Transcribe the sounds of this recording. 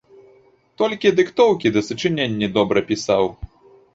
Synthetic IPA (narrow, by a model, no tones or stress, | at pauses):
t̪ɔlʲkʲid̪ɨkt̪ɔwkʲid̪ɐsɨt͡ʂɨnʲenʲːid̪ɔbɾɐpʲisaw